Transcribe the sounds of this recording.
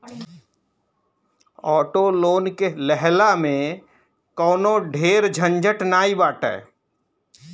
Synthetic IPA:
ɔːʈoloːnkelɛɦlamẽ | kɔːnoɖʱeːɾd͡ʒʱə̃nd͡ʒəʈnaːibaːʈɛ̰ː

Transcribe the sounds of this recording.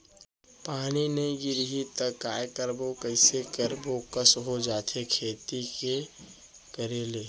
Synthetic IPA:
paːnineiɡɪɾɦit̪əkaːekəɾbokəɪsekəɾboːkəsɦod͡ʒaːt̪ʰekʰeːt̪ike | kəɾeːleː

